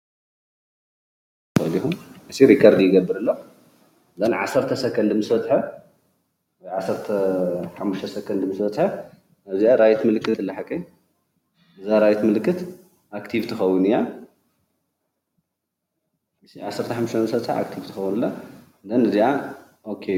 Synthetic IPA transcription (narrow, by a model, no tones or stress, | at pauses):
ɐlixuɨsiɾikʰːɐɾd̪jɪɡɐbːɨɾɨlːo | d̪ɐnʕa̰sɐɾt̪ʰɐsɐkʰɐnd̪ɨmɨsfɐt̪ʼħɐ | wɔjʕasɐɾt̪ʰɐħamːuʃt̪ʰɐsɐkʰɐnd̪ɨmɨsbɐt̪ʼħɐ | aβziaɾajt̪mɨlɨkʰʼːɨt̪ʰɨlːɐħakʰːɐj | ɨzaɾajt̪mɨlkʰːɨt̪ | ʔakt̪ʰivt̪ʰɨxɐwːunɨja | ɨsiʕasːɐɾt̪ʰɐħamːuʃt̪ɐnɨsɐt̪ʼħa̰ʔa̰kt̪ʰivt̪ɨ̥xɐwunɨlːo | d̪ɐnɨziʕa | ʔokʰːe